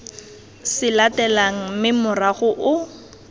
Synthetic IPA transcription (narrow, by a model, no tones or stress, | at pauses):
sɪlatɛlaŋ̩mɪmʊraɣʊʔʊ